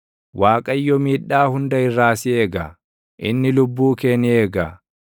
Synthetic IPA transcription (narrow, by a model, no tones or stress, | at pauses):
waːkʼɐjːɔmiːᶑːaːhʊnd̪ɐɪrːaːsɪeːɡɐ | ʔɪ̰nːɪlʊbːuːkeːnɪeːɡɐ